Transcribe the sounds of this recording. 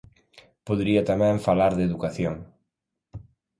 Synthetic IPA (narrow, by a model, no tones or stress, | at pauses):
poðɾiɐt̪amɛ̃ɱfalaɾðeðukaθjoŋ